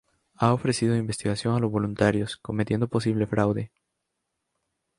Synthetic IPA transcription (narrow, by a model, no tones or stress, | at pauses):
aofɾesiðo̞imbe̞st̪iɣasjo̞ŋalo̞zβo̞lunt̪aɾjo̞sko̞met̪je̞nd̪o̞po̞siβ̞le̞fɾawðe̞